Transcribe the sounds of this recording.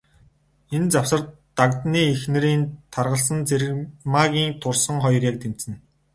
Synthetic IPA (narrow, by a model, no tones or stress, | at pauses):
ent͡saw̥sə̆r | t̪akt̪niːexnɘ̆ɾiːnt̪ʰarʁə̆ɮsə̆nt͡sʰeɾɘ̆ɣmaːɣʲiːŋt̪ʰʊrsə̆ŋχɔjrʲaːk̚t̪em̥sɘ̆n